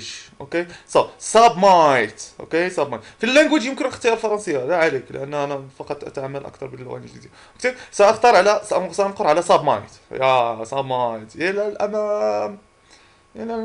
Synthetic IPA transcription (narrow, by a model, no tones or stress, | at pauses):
d͡ʒʔokesˤɑsɑbmɑjt̪ʔo̰kesɑbmɑjt̪filːænɡwəd͡ʒjəmkənʔəxt̪ˤəjɑɾlfɑɾˤɑnsˤəjːalæʕaleklə̰ʔænːænæfɑqɑt̪ˤʔæ̰t̪ʕamːəlʔæ̰kt̪ɑɾˤbəlːɣæ̰niʒd̪id̪i | kt̪isæʔəxt̪ɑɾˤʕalæssænqoɾˤʕalæsɑbmɑ̰jt̪jæsɑbmɑjt̪jælælʔæmæ | jni